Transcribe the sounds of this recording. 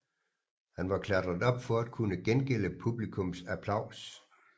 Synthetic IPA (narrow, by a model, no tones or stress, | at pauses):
hænʋɑ̈kʰlædʁɐð̩ˠɒ̽b̥fɒ̽æd̥̚kʰunəɡ̥enɡ̥el̰əpʰub̥likʰɔ̽msæpʰlɑ̈ʊ̰s